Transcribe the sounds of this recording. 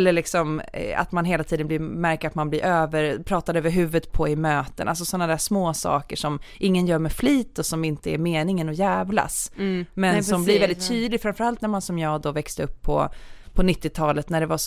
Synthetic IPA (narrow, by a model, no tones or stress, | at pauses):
lːəɭɪksɔma̰t̪manɦeːlat̪ʰiːd̪ənb̪lɪmæɾkəɾat̪manblɪɾʔøːvəɾpʰɾɑːt̪ad̪øːvəɾɦʉ̟ːvət̪pʰɔɪmøːt̪əna̰ls̬ɔsɔnːad̪æːʂmoːsɑ̰ːkəʂɔmʔɪŋːənjœːɾmɛfliːt̪ːɔsɔmɪnt̪əæɾmeːnɪŋənɔjæːvla̰smɛnsɔmblɪɾvɛld̪ɪt̪ːʰyːd̪lɪɡfɾamfœɾalt̪næɾmansɔmjɑːɡd̪ɔvɛkst̪əɵpʰːɔ̰pʰɔnɪt̪ːɪt̪ʰɑːlət̪næɖɛva